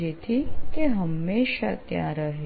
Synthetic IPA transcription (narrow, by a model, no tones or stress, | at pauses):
et̪ʰik̪eɦəmːeʃa̰t̪jã̰ɾəɦe